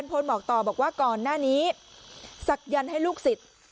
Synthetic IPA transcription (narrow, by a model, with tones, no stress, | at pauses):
npʰo˧nbɔː˨˩k̚t̪ɔː˨˩bɔː˨˩k̚waː˥˩kɔː˨˩nːaː˥˩niː˦˥ | sa˨˩k̚ja˧nha˥˩jluː˥˩k̚si˨˩t̪̚